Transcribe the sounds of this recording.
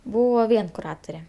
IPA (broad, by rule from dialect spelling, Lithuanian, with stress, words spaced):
ˈbuːʋoː ˈʋʲiɛn kʊˈrɑːtʊrʲɛ